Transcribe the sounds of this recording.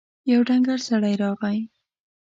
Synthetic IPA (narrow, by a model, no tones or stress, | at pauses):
jawɖaŋɡaɾsaɽajɾɑɣaj